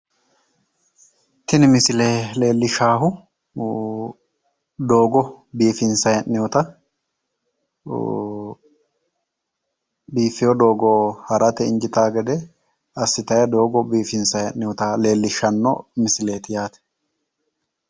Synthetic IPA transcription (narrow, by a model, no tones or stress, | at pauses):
t̪ɪnɪmɪsɪleːle̞ːlːɪʃaːɦʊ | d̪oːɡɔbiːfɪnsɐjɐnːɪwɔt̪ɐ | biːfɪjɔd̪o̞ːɡɔhɐɾʔɐt̪ɛɪnd͡ʒɪt̪aːɡɛd̪ɛ | ɐsːɪt̪ɐjɐd̪o̞ːɡɔbiːfɪnsɐjɐnːɪjɔt̪ɐle̞ːlːɪʃɐnːɔ̰mɪsɪle̞ːt̪ɪjaːt̪ɛ̥